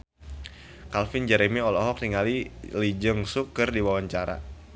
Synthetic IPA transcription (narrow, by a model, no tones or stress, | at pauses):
kalfɪnd͡ʒɛɾemiɔlɔɦɔk̚t̪iŋalilid͡ʒəŋsukərdiwawaɲt͡ʃaɾa̰